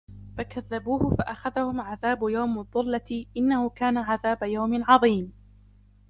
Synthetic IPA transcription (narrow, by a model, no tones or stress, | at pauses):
fakaðːabuːhʊfaʔaxaðahʊmʕaðaːbjawmaðˤːʊlːaʔɪnːahʊkaːnaʕaðaːbajawmɪʕɑðˤiːm